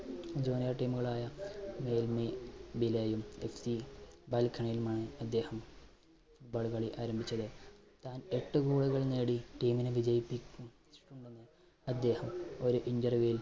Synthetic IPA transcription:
d͡ʑoːnɐjaːʈːiːmuɣɐɭaːjɐme̞ːlmebileːjumefsibɐːlkʰːɐɳɐjilumaːɳɨɐd̪ːe̞ːhɐm | fuʈbaːɭkɐɭiʔaːɾɐmbʱit͡ɕːɐðɨ | t̪aːne̞ʈːɨkuːɭuɣɐɭne̞ːɽiʈiːminɨʋid͡ʑɐjipːikʲːum | ʈuɳɖenːɨ | ɐd̪ːe̞ːhɐmo̞ɾuʔinɖɐrʋijil

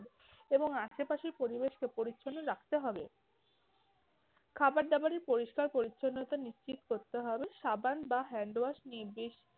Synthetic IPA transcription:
eboŋaʃepaʃeɾpoɾibeʃkepoɾitːɕʰonːoɾakʰt̪eɦɔbe | kʰabaɾd̪abaɾeɾpoɾiʃkaɾpoɾitːɕʰonːot̪aniʃt͡ɕit̪koɾt̪eɦɔbeʃabanbaɦɛɳɖowaʃniebiʃ

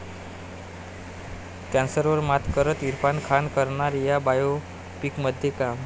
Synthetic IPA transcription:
kãnsəɾʋəɾmat̪kəɾət̪iɾpankʰankəɾɳaɾjabajo | pikməd̪ʱjekam

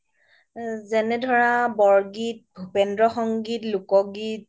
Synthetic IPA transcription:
zɛnɛdʱɔɹabɔɹɡit̚bʱupendɹɔxɔŋɡitlukɔɡit̚

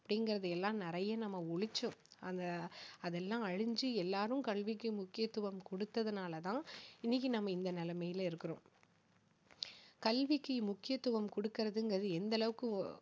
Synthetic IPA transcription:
ɐpːɐɽɪŋɡɪɾɐðɯɛlːãːnɪɾɐjɐnɐmːɐɔɻɪt͡ʃːʊ̃ɐnd̪ɐɐðɛlːãːɐɻɪɲd͡ʒɯɛlːaːɾɯmkɐlʋɪkːɐmʊkːɪjɐt̪ːʊʋɐmkɔɽɯt̪ːɐðɯnaːlɐt̪ãːɪnːɪk̬ːinɐmːɐɪnd̪ɐnɪlɐmɐjɪlɪɾɯkːɯɾõː | kɐlʋɪkːɯmʊkːɪjɐt̪ːɯʋɐmkɔɽɯkːɪɾɐðɯŋɡɾɐðɯɛnd̪ɐlɐʋɯkːɯ

